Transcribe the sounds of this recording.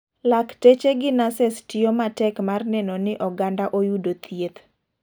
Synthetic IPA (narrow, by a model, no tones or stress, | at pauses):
laktet͡ʃeɡɪnasɛstɪjomatɛkmarnɛnɔnɪʔɔɡandaʔojudot̪ʰiet̪